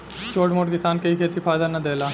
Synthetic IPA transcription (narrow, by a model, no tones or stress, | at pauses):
t͡ʃoːʈmoːʈkɪsaːnkɐɦikʰeːt̪ipʰaːjd̪anɐd̪eːlaː